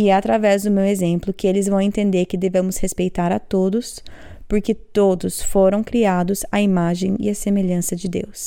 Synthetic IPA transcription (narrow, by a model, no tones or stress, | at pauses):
iɛat̪ɾavɛzd̪ʊmewezẽmplʊkɪelɪzvɐ̃w̃ẽnt̪ẽnd̪eɾkɪd̪evẽmʊshespejt̪aɾɐt̪od̪ʊs | poɾkɪt̪od̪ʊsfoɾɐ̃w̃kɾiad̪ʊzɐimaʒẽj̃ḭɐsemeʎɐ̃sɐd͡ʒɪd̪ḛws